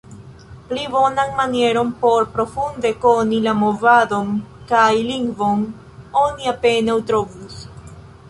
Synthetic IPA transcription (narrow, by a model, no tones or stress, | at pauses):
pliβo̞naŋmanje̞ɾompo̞ɾpɾo̞fund̪e̞ko̞nilamo̞vaðo̞ŋkajliŋɡvo̞ŋ | o̞niape̞nawt̪ɾovus